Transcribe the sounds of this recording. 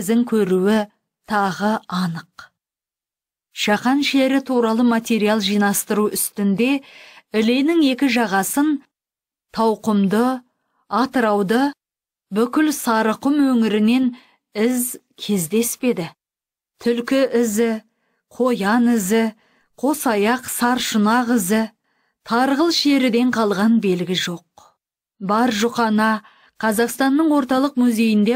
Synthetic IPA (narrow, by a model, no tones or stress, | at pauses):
zɪŋkʲʰɵɾuwɪ | t̪ʰɑʁəɑnəq | ʃɑqɑnʃeɾɪt̪ʰuɾɑlˠəmat̪ʲe̞ɾijalˠʒijnɑst̪əɾuʏst̪ɪnd̪e̞ɪle̞nɪŋe̞kʲɪʒɑʁɑsən | t̪ʰɑwqəmd̪ə | ɑt̪əɾɑwd̪ə | bʏkʲɪlsɑɾəqʊmwɵŋɪɾɪne̞n | ɪzkʲʰe̞zd̪e̞spe̞d̪ɪ | t̪ʰʏlkʲɪʔɪzɪ | qʰo̞jɑnɪzɪ | qʰo̞sɑjɑqsɑɾʃʊnɑqɪzɪ | t̪ʰɑɾʁəlˠʃe̞ɾɪd̪e̞ɴqʰɑlˠʁɑnbe̞lɡʲɪʒo̞q̚ | bɑɾʒʊqɑnɑ | qʰɑzɑqst̪ɑnːəɴwo̞ɾt̪ɑlˠəqmʊzʲe̞jɪnd̪e